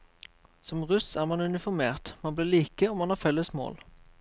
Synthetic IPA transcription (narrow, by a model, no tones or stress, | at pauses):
sɔmʁʉsæʁmɑnʉnɪfɔʁmeːʁt̪mɑnblɪːliːkəɔmɑnhɑfɛlːəsmo̰ːl